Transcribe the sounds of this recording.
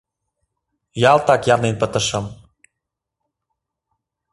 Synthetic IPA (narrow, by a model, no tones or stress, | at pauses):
jɑlt̪ɑkjɑlnenpət̪əʃə̆m